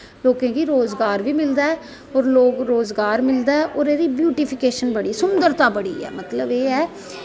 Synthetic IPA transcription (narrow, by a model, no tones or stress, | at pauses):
loːkẽːkiːɾoːzɡaːɾʋiːmɪld̪aːɛː | ɔːɾloːkɾoːzɡaːɾmɪld̪aːɛʔɔːɾeːɾiːbjuːʈɪːpʰɪkeːʃənbəɽiːsʊmd̪əɾt̪aːbəɽḭːɛ̰ːmət̪ləbeːɛː